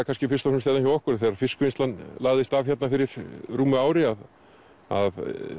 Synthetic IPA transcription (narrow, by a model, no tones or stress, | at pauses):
akʰanscɪfɪ̥st̪asʏmst̪eːðançawɔkʏɾθɛɾaɾfɪskʏejnst̪lanːlaːɣðɪst̪av̥çɛt̪nafɪɾɪɾ̥ruːmʏaːwɾɪað | a̰ð